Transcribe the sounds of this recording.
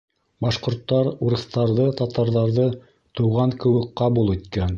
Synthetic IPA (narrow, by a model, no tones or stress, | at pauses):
bɑʃqŏɾt̪ːɑɾuɾɤ̆θt̪ɑɾðɤt̪ɑt̪ɑɾðɑɾðɤ | t̪ŭwʁɑŋkɘ̆wɘkqɑβulˠit̪kæn